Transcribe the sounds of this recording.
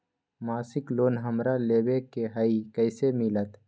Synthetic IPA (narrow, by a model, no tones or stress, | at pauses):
maːsɪkloːnɦəmɾaleːwekeɦəikəɪsemɪlət̪